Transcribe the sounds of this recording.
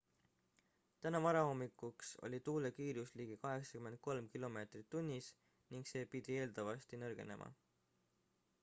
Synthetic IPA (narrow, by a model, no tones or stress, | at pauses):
t̪ænɑvɑɾɑho̞mːikˑːukso̞̰lʲit̪uːle̞kiːɾusliːɡ̥ikɑɦe̞ksɑ̥kyme̞nd̪̚ko̞lmkilo̞me̞ːt̪rit̪ːunʲːis | niŋkse̞ːpid̪̥ie̞ːld̪̥ɑvɑst̪inɤrɡ̥e̞̰ne̞̰mʔɑ̰